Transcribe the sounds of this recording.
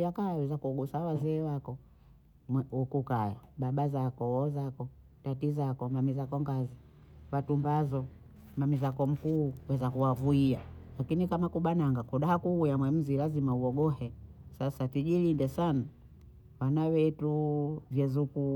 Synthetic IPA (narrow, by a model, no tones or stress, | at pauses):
akajawɛzakuɔɡusawazɛːwakɔ | ukukaja̰ɓaɓazakɔwɔzakɔ | tatizakɔmamizakɔŋɡazi | watumbazɔ | mamizakɔm̩kuːwɛzakuwavuialakinikamakuɓanaŋɡakuɗahakuujamwɛm̩zilazimauɔɡɔhɛsasatiʄilindɛsana | wanawɛtuvjɛzuku